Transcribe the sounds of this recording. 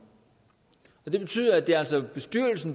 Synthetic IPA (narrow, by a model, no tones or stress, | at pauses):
ɒ̽d̥e̝b̥e̝t͡sʰy̰ːðˠɐæd̥e̝æl̰sɒb̥e̝sd̥yɐ̰l̩sn̩